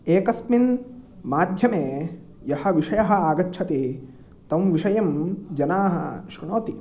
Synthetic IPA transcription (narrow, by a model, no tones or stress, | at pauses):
eːkɐsminmaːd̪ʱjɐmeː | jɐhɐ̆ʋiʂɐjɐɦɐ̆aːɡɐtːʃʰɐt̪eː | t̪ɐmʋiʂɐjɐmd͡ʒɐnaːɦɐ̰ʃɾnoːt̪i